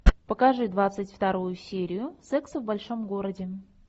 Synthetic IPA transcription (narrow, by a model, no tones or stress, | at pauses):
pəkɐʐɨd̪vat̪sɨtʲft̪ɐɾujʊsʲeɾʲɪjʊsɛksvbɐlʲʂo̞mɡoɾədʲɪ